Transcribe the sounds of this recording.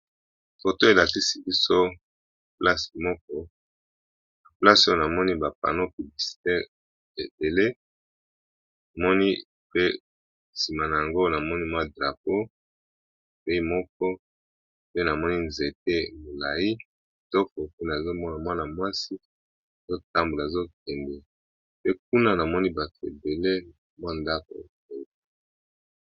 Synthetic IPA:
fo˨to˦e˨la˨ti˦si˦bi˦so˦˨ | pla˦si̥˨mɔ˦k̚ɔ˦ | na˨pla˦so˦o˨na˨mɔ˦ni˦ba˨pa̰˨no˦pi˨li˨si̥˨tɛ˦ʁ | e˨be˨le˦ | a˨mɔ˦ni˦ | pe˦ | si˨ma˨na˨ja˨ŋɡo˦na˨mɔ˦ni˦mwa˦dʁa˨p̚o˦˨ | pe˦i˦mɔ˦k̚ɔ˦ | pe˦na˨mɔ˦ni˦nze˨te˦mo˨la˨i˦ | tɔ˦kɔ˨ku˦na˨e˨zo˦mɔ˦na˨mwa˦na˨mwa˦si˦ | a˨zo˦ta˦mbu˨la˨e˨zo˦k̚ɛ˨ndɛ˨ | pe˦k̚u˦na˦na˨mɔ˦ni˦ba˨tḛ˨be˨le˦ | mwa˦nda˦ko̰˨ | e˨˦˨

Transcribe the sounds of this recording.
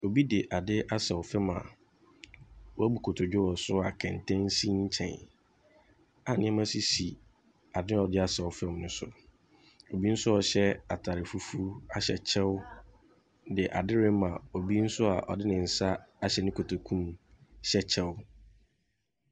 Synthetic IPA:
o˨bi˦dɪ˨ʔa˨dɪ˦ʔa˦sɛ˨wʊ˨fɛ˦mã̰˨ | wɔ˦æ˦bu˨kʰo˨tʰo˨d͡ʑᶣʊ˦wɔ˨sʊ˦a˨kʰɛ̃˨n˨tʰɛ̃˦n˦sĩ˦ɲ̩˦t͡ɕʰɛ̰̃˨n | a˨nɪ̃˦ɛ˦mã˦si˦si˨ | a˨dɪ˦˨ɔ˨dɪ˦a˦sɛ˨wʊ˨fɛ˦˨˦nʊ̃˦sʊ˦ | o˨bi˦n̩˦sʊ˦ɔ˨ɕɛ˦a˨tʰa˨ɾɪ˨fu˦fu˦a˦ɕɛ˨t͡ɕʰɛ˦wʊ˦ | dɪ˨ʔa˨dɪ˦ɾɪ˦mã˨o˨bi˦n̩˦sʊ˦a˨ʔɔ̰˨dɪ˦nɪ̃˨n̩˨sa˦a˦ɕɛ˨nɪ̃˦kʰo˨tʰo˨kʰũ˦mɕɛ˦t͡ɕʰɛ˦wʊ˦

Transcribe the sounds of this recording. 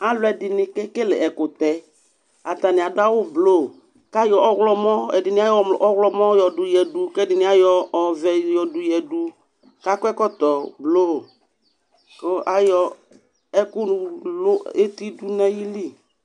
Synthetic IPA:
a˦lʊ˨˦ɛ˨dɪ˨nɪ˨kɛ˦kɪ˦lɪ̰˨ɛ˨kʊ˨t̪ɛ˨ | a˨t̪a˨nɪ˨a˨dʊ˦a˦wʊ˦blo˦˨ | ka˦jɔ˨ʔɔ˦ɣlɔ˦mɔ˦ɛ̰˨dɪ˨nɪ˦a˦jɔ˦˨ʔɔ˦ɣlɔ˦mɔ˦jɔ˨dʊ˨jɛ˨dʊ˨kɛ˦dɪ˨nɪ˦a˦jɔː˦˨vɛ˨jɔ˨dʊ˨jɛ˨du˦ | ka˦kʊ˦ɛ˦kɔ˦t̪ɔ˨blo˦˨ | ko˦ʔa˦jɔ˨ | ɛ˦kʊ˦nʊ˨lʊ˦e˦t̪i˦du˦nɛ˦ji˦li˦

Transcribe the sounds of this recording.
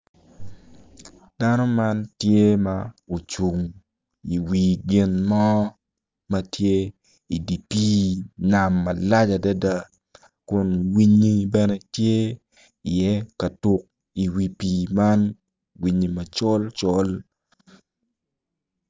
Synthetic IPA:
d̥a˦no˦ma˦ntje˦ma˨o˨t͡ʃu˨ŋ | i˨wi˨ɡɪ˦nmɔ˦ | mɐ˦tje˦ | i˨di˨pi˦na˨mːɐ˨la˦d͡ʒa˨da˦da˦ | kʊ˨nwi˦ɲi˦bɛ˦nɛ˦tje˦ | i˨jɛ˦ka˨tʊ˦k̚ | i˨wi˨pi˨ma˦n | wi˨ɲi˨mɐ˨t͡ʃɔ˦lt͡ʃɔ˦l

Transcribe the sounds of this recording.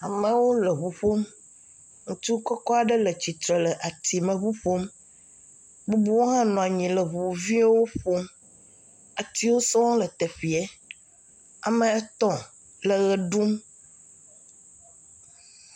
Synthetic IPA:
a˨mə̃˨wo˦lə˨βu˨ɸo˦m | ŋũ˦t̪u˦kɔ˦kɔ˦a˨ɖə˦lə˨t͡ɕi˨t̪ɾe˨lə˨ʔa˨t̪ʰi˨mə̃˨βu˦ɸo˦m | bu˦bu˦wo˦ɦã˦nɔ̃˨a˨ɲĩ˨lə˨βu˨vi˦wo˦ɸo˦m | a˨t̪i˦wo˦sɔ̃˦w̃lə˨t̪ɛ˨ɸi˨ɛ˦ | a˨mə̃˨ɛ˦t̪ɔ̃˦˨ | lə˨ɣə˨ɖu˦m

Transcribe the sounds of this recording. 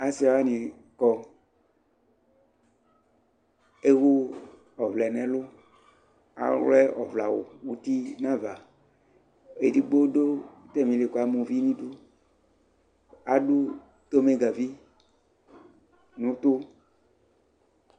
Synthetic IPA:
a˨si˦a˨wa˦nĩ˨ | kɔ˦ | e˦wo˦ | ɔ˨vlɛ˨nɛ̃˨lʊ˦ | a̰˨wlɛ˦ɔ̰˨vla˨wo̰˨wu˦t̪i˦nã˦va˨ | e˨di˦ɡ͡bo˦do˦t̪ɛ˦mĩ˨le˨ko˨˦a˨mõ˨vi˦nĩ˦do˦ | a˨ɖu˦ | t̪o˦me˦ɡa˨vi˦ | nũ˨˦t̪o˦

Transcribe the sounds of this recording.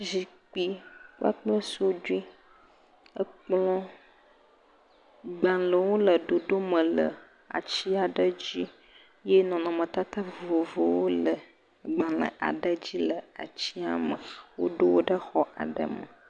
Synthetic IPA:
zi˨k͡pi˨k͡pa̰˦k͡plə˦so˦d͡ʒu˦i˦ | ə˦k͡plɔ̃˦ | ɡ͡ba˨lə˨wo˦lə˨ɖo˨ɖo˦mə̃˨lə̰˨ | a̰˨t͡ɕi˦a˨ɖə˦d͡ʑi˦ | je˦nɔ̃˨nɔ̃˨mə̃˨t̪a˦t̪a˦vo˨vo˨wo˦lə˨ | ɡ͡bã˨lə̰˨ʔa̰˨ɖə˦d͡ʑi˦lə˨a̰˨t͡ɕi˦a̰˨mə̃˨wo̰˦ɖo˦wo˦ɖə˦xɔ˦ʔa̰˨ɖə̰˦mə˨

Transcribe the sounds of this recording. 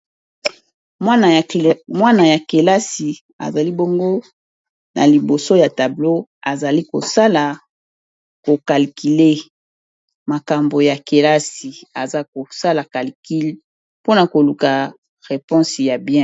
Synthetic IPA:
mwa˦na˨ja˨ke˨la˦si˨ | a̰˨za˨li˦bo˦ŋɡo˦ | na̰˨li˨bo˨so˦ja˨ta˨blo˦a˨za˨li˦ko˨sa˦la˨ | ko˨ka˨lki˨le˦ | ma˨ka˨mbo˨ja˨ke˨la˦si˨a˨za˦ko˨sa˦la˨ka˨lki˦l | po˦na˨ko˨lu˨ka˨ | ʁe˨pɔ̃˦sja˨bjɛ̃˦

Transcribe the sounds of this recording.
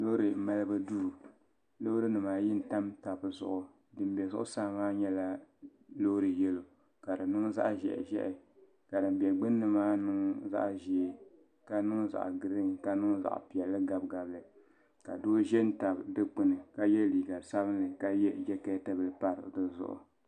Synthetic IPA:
lo˦ɾɨ˨ma˦lɨ˦bɨ˦duː˦˨ | lo˦ɾɨ˦nɨ˨maː˨jɪ˦n̩˨ta˦mta˨bzʊ̰˨ʔʊ˨ | dɨ˨m˦bɛ˨zʊ˦ʔʊ˦saː˦˨maː˦ɲɛ˦la˦lo˦ɾɨ˨jɛ˦lo˨ | ka˨dɨ˨nɨ˦ŋ˦za̰˦ʔʒɛ̰˨ʔʒɛ̰˦ʔɪ˨ | ka˨dɨ˨m˦bɛ˨ɡ͡bɨ˦nːɨ˦maː˦nɨ˦ŋ˦za̰˦ʔʒɛ˨˦˨ | ka˦nɨ˦ŋ˦za̰˨ʔɡɨ˨ɾɨ˦ŋka˨nɨ˦ŋ˦za̰˨ʔpi˨ɛ˨lːɨ˦ɡa˨b̚ɡa˨blɨ˨ | ka̰˨doː˦ʒɛ˦n̩˦ta˨bdɨ˦k͡pɨ˨nɨ˨ka˦jɛ˦liː˨ɡa˨sa˦bɨ˦n˦lɨ˨ka˦jɛ˦d͡ʒɛ˦kɛ˦tɨ˦bɨ˦lɨ˦pa˨ɾɨ̰˨dɨ˦zʊ̰˨ʔʊ̰˨

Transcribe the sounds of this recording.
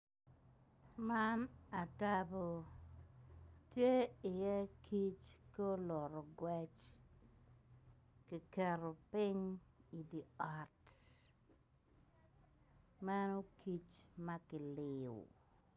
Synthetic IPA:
ma˦na˨ta˦bo˨ | tje˦ɪ˨jɛ˦kʰi˦t͡ʃko˦lɔ˨ɾɔ˨ɡwɛ˦t͡ʃ | ki˨kɛ˨ɾo˨pɪ˦ɲi˨di˨a˦t | ma˦no˦kʰi˦t͡ʃma˦kɪ˨lɪ̰˨

